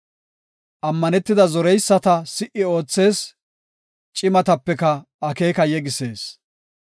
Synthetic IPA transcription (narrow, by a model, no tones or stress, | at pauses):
ʔɐmːɐnɛt̪ːɪd̪ɐzɔɾɛjsːɐt̪ɐsɪʔɪo̞ːt͡sːe̞ːs | t͡ʃʼɪmɐt̪ɐpːɛkɐ | ɐke̞ːkɐjɛɡɪse̞ːs